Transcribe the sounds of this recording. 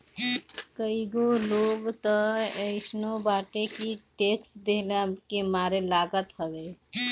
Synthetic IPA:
kəiɡoloːɡt̪əəɪsnobaːʈekiʈeksd̪eɦlakemaːɾelaːɡət̪ɦəʋe

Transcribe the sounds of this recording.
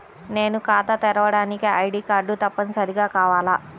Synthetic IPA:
ne̞ːnukaːt̪ɐt̪ɛɾɐʋɐɽaːnikiɐjɖiːkaːɾɖːut̪ɐpːɐnsɐɾiɡaːkaːʋaːla

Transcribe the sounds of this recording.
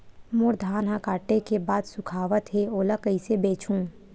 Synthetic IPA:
moːɾd̪ʱaːnɦãkaːʈekebaːd̪sʊkʰaːʋət̪ɦeoːləkəisebeːt͡ʃũː

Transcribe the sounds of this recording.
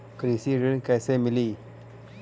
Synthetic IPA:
kəɾisiɾinkajsemili

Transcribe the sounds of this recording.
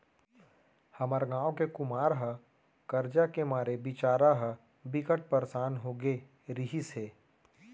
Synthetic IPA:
hɐməɾɡãːõkekʊmaːɾɦə | kɐɾd͡ʒakemaːɾebɪt͡ʃaːɾaɦə | bɪkəʈ̚pəɾsaːnɦoːɡe | ɾiɦiseː

